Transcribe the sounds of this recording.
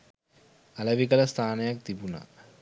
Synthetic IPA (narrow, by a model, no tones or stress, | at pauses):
ɐlɐʋikɐlɐst̪ʰaːnɐjɐk̚t̪ibuna̰